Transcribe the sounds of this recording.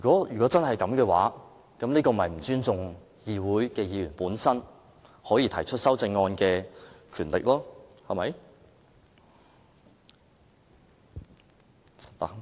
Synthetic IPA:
y˨˩kɔː˨˥jyː˨kɔː˨˥t͡sɐ˥nhɐ˨jkɐ˨˧˥mkɛː˧wa̰ː˨˥ | kɐ˨˥mniː˥kɔː˧mɐ˨jm̩˨˩t͡ʃyː˥nt͡sʊ˨ŋ | jiː˨wuː˨˥jkɛː˧jiː˨˧jyː˨˩npuː˨˥nsɐ˥n | hɔː˨˥jiː˧t̪ʰɐ˨˩jt͡ʃʰɵ˥t̚sɐ˥wt͡sɪ˧ŋːɔː˧nkɛː˧kʰyː˨˩nlɪ̰˨k̚lɔː˥hɐ˨mɐ˨˦j | la̰˨

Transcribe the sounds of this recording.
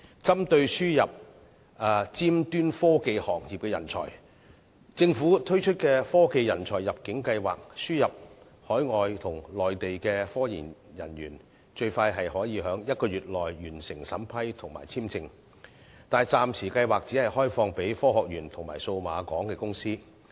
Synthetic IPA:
t͡sɐ˥mt̪ɵ˧ɥsyː˥jɐ˨p̚ | ɐː˨˧t͡siː˥mt̪yː˥nfɔː˥ke˧jhɔː˨˩k̚ji˨p̚kɛː˧jɐ˨˩nt͡sʰɔ̰˨˩j | t͡sɪ˧ŋfuː˨˥t̪ʰɵ˥ɥt͡ʃʰɵ˥t̚kɛː˧fɔː˥ke˧jjɐ˨˩nt͡ʃʰɔː˨˩jːɐ˨p̚kɪ˨˥ŋkɐ˧jwaː˨k̚syː˥jɐ˨p̚ | hɔː˨˥jŋɔː˨jt̪ʰʊ˨˩ŋlɔː˨jt̪e˨jkɛː˧fɔː˥jḭː˨˩njɐ̰˨˩njyː˨˩n | t͡ʃɵ˧ɥfaː˧jɦɐ˨jhɔː˨˥jiː˨˧ɦœː˨˥ŋjɐ˥t̚kɔː˧ɥyː˨t̚lɔː˨˩jɥyː˨˩nsɪ˨˩ŋsɐ˨˥mpʰɐ˥jt̪ʰʊ˨˩ŋma̰ː˨˩jt͡sʰiː˥mt͡sɪ˧ŋ | t̪aː˨njt͡saː˨˧msʰiː˨˩kɐ˧jwaː˨k̚t͡si˨˥hɐ˨jhɔː˥jfɔː˧ŋpe˨˥jfɔː˥hɔː˨k̚jyː˨˩nt̪ʰʊ˨˩ŋma̰ː˨˩jso˧wma̰ː˨˧kɔː˨˥ŋkɛː˧kʊ˥ŋsiː˥

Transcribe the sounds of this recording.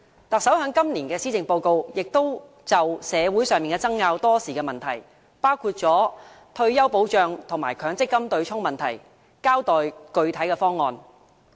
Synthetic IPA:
t̪ɐ˨k̚sɐ˨˥wɦœː˨˥ŋkɐ˥mliː˨˩nkɛː˧siː˥t͡sɪ˨ŋpo˧wko˧wjɪ˨k̚t̪o˥w | t͡sɐ˨wsɛː˨˧wuː˨˥jsœː˨ŋmiː˨nkɛ˧t͡sɐ˥ŋːaː˧wt̪ɔː˥siː˨kɛː˧mɐ˨nt̪ʰɐ˨˩j | paː˥wkʰuː˧t̚t͡ʃɔː˨˥ | t̪ʰɵ˧ɥjɐ˥wpo˨˥wt͡ʃœː˧ŋt̪ʰʊ˨˩ŋmaː˨˩jkʰœː˨˥ŋt͡sɪ˥kːɐ˥mt̪ɵ˧ɥt͡sʰʊ˥ŋmɐ˨nt̪ʰɐ˨˩j | kaː˥wt̪ɔː˨jkɵ˧ɥt̪ʰɐ˨˥jkɛː˧fɔː˥ŋːɔː˨˧n

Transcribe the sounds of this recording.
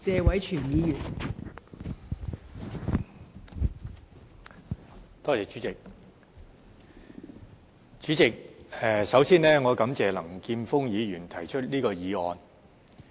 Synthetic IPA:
t͡sɛː˧wɐ˨˥jt͡ʃʰyː˨˩njiː˨˧jyː˨˩n | t̪ɔː˥t͡sɛː˨˧t͡ʃy˨˥t͡sɪ˨k̚ | t͡ʃyː˨˥t͡sɪ˨k̚ɛː˨sɐ˨˥wsiː˥nlɛː˥ŋɔː˨˧kɐ˨˥mt͡sɛː˨lɐ˨˩ŋkiː˧nfʊ˥ŋjiː˨˧jyː˨˩nt̪ʰɐ˨˩jt͡ʃʰɵ˥t̚liː˥kɔː˧jiː˨˧ɔː˨n

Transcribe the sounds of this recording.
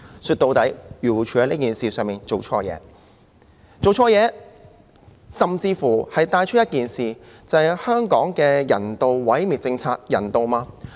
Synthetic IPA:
syː˧t̚t̪o˨˧wt̪ɐ˨˥jɥyː˨˩wt͡ʃʰyː˨˩ɐ˧˥jni˥kiː˨nsiː˨sœː˨ŋmiː˨nt͡so˨wt͡ʃʰɔ̰ː˧˥jɛ̰ː˨˧˦ | t͡so˨wt͡ʃʰɔː˧jɛː˨˧ | sɐ˨mt͡siː˧fuː˨˩hɐ˨jt̪aː˧jt͡ʃʰt̚jɐ˥t̚kiː˨nsiː˨ | t͡sɐ˨˧ɐ˨jhœː˥ŋkɔː˨˥ŋkɛː˧jɐ̰˨˩nt̪o˨wwɐ˨˥jmiː˨t̚t͡sɪ˧ŋt͡sʰaː˧k̚jɐ̰˨˩nt̪o˨wmaː˧

